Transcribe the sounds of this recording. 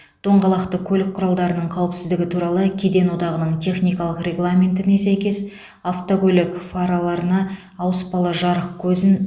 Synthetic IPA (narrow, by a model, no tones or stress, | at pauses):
d̪̥oɴʁɑlˠɑqt̪əkʲʰɵlɪk̚qʰːʊɾɑlˠd̪ɑɾənəɴqʰɑwəpsɪzd̪ɪɡʲɪt̪ʰuɾɑlˠəkʲʰed̪e̞nwo̞d̪ɑʁənəɴt̪ʰe̞χnijkɑlˠəqrʲe̞ɡlˠamʲe̞nt̪ɪne̞sæjkʲe̞s | aft̪oɡʲɵlʲɪkfaɾalˠɑɾənɑː | wəspɑlˠəʒɑɾəq̚kʲʰɵzɪn